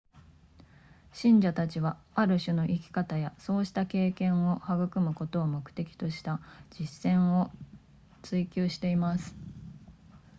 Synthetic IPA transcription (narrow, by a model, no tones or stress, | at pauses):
ɕĩɲ̟d͡ʑat̪at͡ɕiβaaɾɯ̟ɕɨno̞ʔikʲi̥kat̪ajaso̞ːɕi̥t̪ake̞ːkẽ̞ɰ̃o̞haɡɯ̟kɯ̟mɯ̟ko̞t̪o̞ːmo̞kɯ̟̥t̪e̞kʲi̥t̪o̞ɕi̥t̪ad͡ʑisẽ̞ɰ̃o̞ | t͡sɨikʲɨːɕi̥t̪e̞imasɨ̥